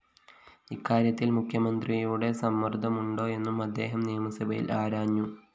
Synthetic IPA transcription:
ikːaːɾjɐt̪ːilmukʰjɐmɐnd̪rijuːɽe̞sɐmːɐrd̪ʱɐmuɳɖo̞ːe̞nːumɐd̪ːe̞ːɦɐmnijɐmɐsɐbɐjḭlaːɾaːɲːu

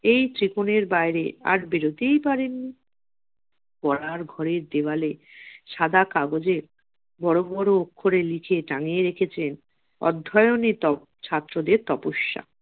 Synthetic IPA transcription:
ejt̪ɾikoneɾbajɾḛa̰ɾbeɾot̪ejpaɾenːi | pɔɾaɾɡʱɔɾeɾd̪ebaleʃad̪akaɡod͡ʑeɾ | bɔɾobɔɾookʰːoɾelikʰeʈaŋeɾekʰet͡ɕʰen | ɔ̰d̪ʱːɔjonet̪ɔ | t͡ɕʰat̪ːɾod̪eɾt̪ɔpoʃːa̰

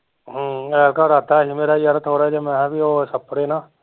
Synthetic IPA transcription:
ɦəɛɾkaːɾaːt̪aːɦiːmeːɾaːijaɾət̪ʰoːɾaɛd͡ʒemɛ̃bʱiːoːsəpːəɽeːnaː

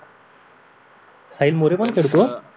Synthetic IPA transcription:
sailmoɾepəɳkʰeɽt̪o

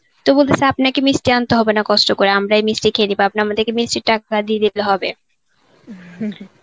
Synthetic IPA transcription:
t̪obolt̪esʰeapnakemisʈiant̪oɦɔbenakɔsʈokoɾeamɾaejmisʈikʰelibaap̚naamad̪eɾkemisʈiɾʈakad̪ied̪iloɦɔbe

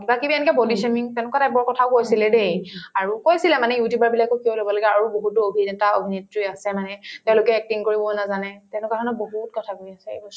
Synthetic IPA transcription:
kibakibiɛnikɛbolisemiŋtɛʊ̃nʊkatabɔɹkɔtʰaʊkojsilɛdejaɹukojsilɛmanɛjutjubaɹbilakɔkiɔlobɔlaɡɛaɹuboɦutːuobʱizɛntaobʱinitɹiasɛmanɛtɛʊ̃lʊkɛɛk̚tinkoɹibɔnazanɛtɛ̃ʊ̃nʊkatʰɔnɔboɦut̚kɔtʰakoiasɛḛbɔs

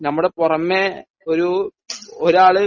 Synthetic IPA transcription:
nɐmːuɽepurɐmːe | oɾu | oɾaːɭɨ

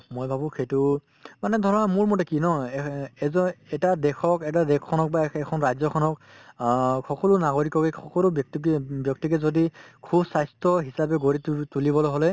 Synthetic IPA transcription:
mojbʱabʊ̃kʰejtʊ | manɛd̪ʱɔɹɔnamuɹmotɛkinɔɛzɔɛtadɛkʰɔkɛt̬adɛkʰːɔnɔk̚baɛkʰɔnɹajzɔkʰɔnɔk | xɔkɔlʊnaɡoɹikɔkɛxɔkɔlubk̚tkbjɔk̚tikɛzodikʰubsajstɔɦisapɛɡoɹittulibɔlojɦolɛ

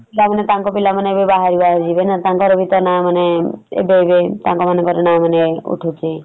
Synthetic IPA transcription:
ilamanet̪aŋkɔpilamaneebebaɦaɾibaɦaɾd͡ʒibenat̪ãŋkɔɾɔbʱit̪ɔnamaneḛbeebet̪ãŋkɔmanekɔɾenamaneṵʈʰut͡ʃʰe

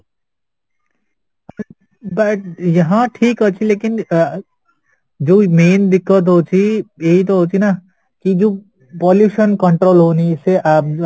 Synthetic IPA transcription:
bɐʈjɐɦãʈʰiːkɦət͡ʃʰileːkɪn | d͡ʒoːmeːnd̪ɪkːət̪̬ɦoːt͡ʃʰijeɦit̪̬oɦot͡ʃʰina | kid͡ʒoː | pɔːljuːʃənkəɳʈɾoːlɦoːniɪseʔaːp̚

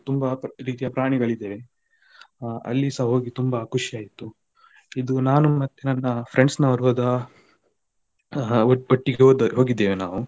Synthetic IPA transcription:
t̪umbɐɾiːt̪̬ijɐpɾaːɳ̃iɡɐɭid̪ːeːʋe | ɐ̰lːisɐɦo̞ːɡit̪umbɐkʰuʂijaːjit̪ːu | id̪unaːnumɐt̪ːenɐnːɐpɾeɳɖsnɐɐɾʋɐd̪ɐ | oʈːiɡeoːd̪ɐɦo̞ːɡid̪ːeːʋenaːʋu

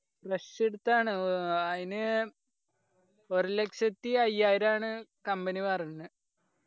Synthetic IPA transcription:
preseɽut̪ːaːɳɨɐðinɨ | oɾulekʂɐt̪ːiɐjaːjiɾaːɳɨkɐmbɐniʋɐrɐnːɨ

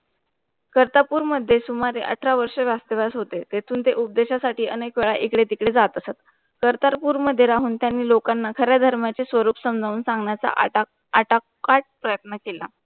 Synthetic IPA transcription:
kəɾt̪apuːɾməd̪ʱːjesumaɾeʔə̰ʈʰɾaʋəɾʂeʋast̪əʋasɦot̪et̪et̪ʰuːnt̪eʔup̚d̪eɕasaʈiːʔənekʋeɭaʔekɽet̪ikɽed͡zat̪əsat̪ | kəɾt̪aɾpuːɾməd̪ʱːjeɾaɦuːnt̪janːiːlokanːakʰəɾjad̪ʱəɾmjat͡sesʋəɾuːpsəmd͡zʱauːnsãŋɡɳjat͡sa̰ | aʈa | kaʈ̚pɾəjət̪nəkela

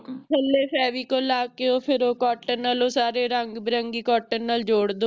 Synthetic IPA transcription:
əlːeːpɛːʋiːkolːaːkeoːpʰɪɾoːkɔːʈənəloːsaːɾeːɾəŋɡbɾəŋɡiːkɔːʈənnəld͡ʒoːɽd̪oː

